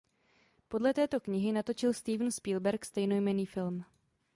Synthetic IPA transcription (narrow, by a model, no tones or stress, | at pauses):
po̞dlɛt̪ɛːt̪o̞kɲɪɦɪnat̪o̞t͡ʃɪlst̪iːvn̩spiːlbɛɾkst̪ɛjno̞jmɛniːfɪlm